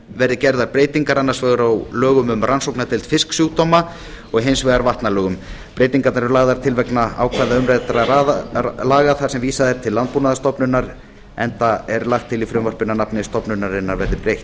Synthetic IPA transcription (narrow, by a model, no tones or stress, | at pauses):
vɛɾðɪcɛɾðaɾpɾeːjt̪iŋkaɾanːaɾsvɛːɣaɾawlœːɣʏmʏmrʔansowknat̪ʰɪlt̪fɪsksjuːɣt̪ɔːma | ɔɣɦejnsvɛːɣaɾvaht̪nalœːɣʏm | pɾeːjt̪iŋkat̪naɾɛɾlaːɣðaɾ̥t̪ʰɪlvɛknaa̰ːwkʰvaːðaʏmɾɛt̪aɾaalaːɣaθaɾ̥sɛmviːsaðɛɾ̥t̪ʰɪlːant̪̚punaðast̪ɔpnʏnːaɾ | ɛnt̪aɛɾlaxt̪ʰːɪlifɾʏmvɔɾpɪnːanapnɪst̪ɔpnʏnːaɾɪnːaɾvɛɾðɪpɾejht̪